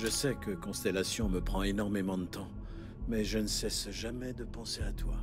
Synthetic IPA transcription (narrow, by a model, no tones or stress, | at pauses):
ʒəsɛkəkɔ̃st̪elasjɔ̃məpχɑ̃enɔʁmemɑ̃d̪ət̪ɑ̃ | mɛʒənəsɛsʒamɛd̪əpɑ̃seat̪wa